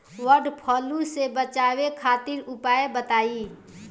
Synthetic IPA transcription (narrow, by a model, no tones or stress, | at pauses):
ʋəɾɖpʰɔːlusebət͡ʃaːwekʰaːt̪ɪɾʊpaːebət̪aːiː